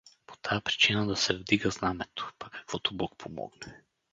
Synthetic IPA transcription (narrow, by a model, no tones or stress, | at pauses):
po̥t̪ʰajapɾi̥t͡ʃinad̪asɛvd̪iɡaznamɛt̪o̥pakʰḁkv̥ɔt̪obɔk̚pʰomɔ̰ɡnɛ